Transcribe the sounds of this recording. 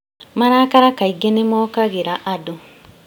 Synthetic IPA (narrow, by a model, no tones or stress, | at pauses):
maɾaːkaɾakaiɡenemokaɣeɾaʔado